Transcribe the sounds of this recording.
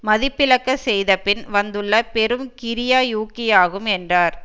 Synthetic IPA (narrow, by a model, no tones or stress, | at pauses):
mɐðɪpːɪlɐkːɐsɛjðɐpːɪnʋɐnd̪ɯɭːɐpɛɾɯmkɪɾɪjaːjuːkːɪjaːɣɯmɛndraːɾ